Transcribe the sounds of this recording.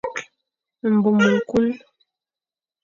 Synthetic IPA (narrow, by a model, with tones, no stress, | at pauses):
m̩˨bu˨mu˨ŋ˨ku˦l